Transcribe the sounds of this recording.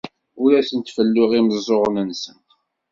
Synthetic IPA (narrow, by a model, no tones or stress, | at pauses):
ʊɾæsənt̪fəlːʊʁiməzˤoʁnənsən